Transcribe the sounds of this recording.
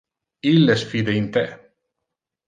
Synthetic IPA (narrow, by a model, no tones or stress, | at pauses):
ilːesfid̪eint̪ɛ